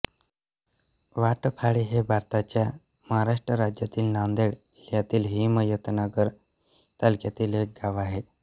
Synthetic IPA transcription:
ʋaʈəpʰaɭiɦebʱaɾt̪at͡ɕja | məɦaɾaʂʈɾəɾad͡ʑjat̪iːlnand̪eɽ | ljat̪iːlɦiməjət̪nəɡəɾ | t̪alkjat̪iːlɦek̚ɡaʋaɦe

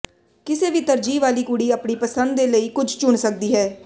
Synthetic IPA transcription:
kɪseːʋiːt̪əɾd͡ʒiːʋaːliːkuɽiːəːpɳiːpəsənd̪d̪eːləiːkʊd͡ʒʱt͡ʃʊɳsək̚d̪iːɦɛː

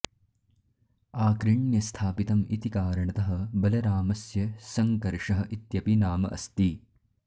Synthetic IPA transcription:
aːkɾiɳjɐst̪ʰaːpit̪ɐmit̪ikaːɾɐɳɐt̪ɐɦɐ̆bɐlɐɾaːmɐsjɐsɐŋkɐɾʂɐɦɐ̆ʔit̪jɐpinaːmɐ̰ʔɐ̰st̪i

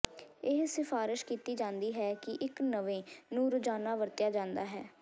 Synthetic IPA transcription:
ɪɦsɪfaːɾɪʃkiːt̪iːd͡ʒãːnd̪iːɦɛːkɪʔɪknəʋẽːnũːɾʊd͡ʒaːnaːʋəɾt̪jaːd͡ʒãːnd̪aːɦɛː

